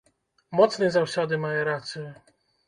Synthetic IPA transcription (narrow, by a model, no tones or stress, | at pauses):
mɔt̪snɛzawɕɔd̪ɘmajɔɾat̪sɛ